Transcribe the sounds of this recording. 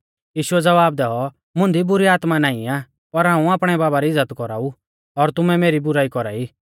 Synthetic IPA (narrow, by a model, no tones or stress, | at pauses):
jiːʃʊɛd͡zɐʋaːbd̪ɛːɔ | mʊ̃nd̪ibʊɾiaːt̪manaːĩaː | pɐɾɦãːũaːpɽ̃ɛbaːbaɾiɪd͡zːət̪kɔɾa̰ːu | ɔɾt̪ʊmɛmeːɾibʊɾaːikɔɾa̰ːiː